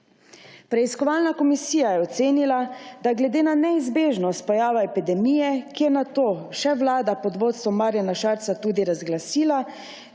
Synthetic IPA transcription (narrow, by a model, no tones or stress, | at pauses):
pɾɛiskɔʋalnakɔmisiːjajɛɔt̪seːnilad̪aɡlɛd̪eːnanɛizbeːʒnɔst̪̚pɔjaːʋaɛpid̪ɛmiːjɛkijɛnat̪oːʃɛʋlaːd̪apɔd̪ʋoːt̪st̪ʋɔmaːɾjanaʃaɾt̪sat̪uːd̪iɾazɡlasiːla